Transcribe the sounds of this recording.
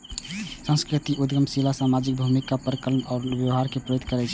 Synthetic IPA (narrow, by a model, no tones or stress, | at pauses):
sə̃nskɾit̪iʔud̪ɡəmsilasamad͡ʒik̚bʱumikapəɾəkələnɔːɾbjəʋɦaɾkepɾəjod̪kəɾɛt͡ʃʰɛ̥